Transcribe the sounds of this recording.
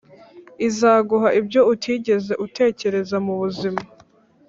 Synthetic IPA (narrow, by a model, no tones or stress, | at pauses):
izaːɡuɦaʔibɟo̞utʰiːɟe̞ze̞ʔute̞ːce̞ɾe̞zamuβuzima